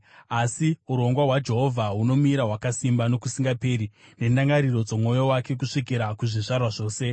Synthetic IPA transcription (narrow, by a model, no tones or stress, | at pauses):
asiuɾo̞ŋɡwaɦwad͡ʒe̞ɦo̞vʱaɦuno̞miɾaɦwakasimbano̞kusiŋɡape̞ːɾine̞ndaŋɡaɾiro̞d͡zo̞mo̞jo̞wake̞k̬uʂik̬iɾakuʐiʂarwaʐo̞ːse̞